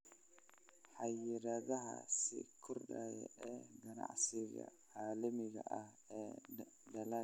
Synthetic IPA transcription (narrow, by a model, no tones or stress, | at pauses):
ħɑjɪɾɐðɐɦɐ̰sɪ̰kʰʊrɗajɛ̰ɛːɡɐna̰ʕsɪɣɐʕaːlɐmɪɣɐʔɐh | ɛː | dɐla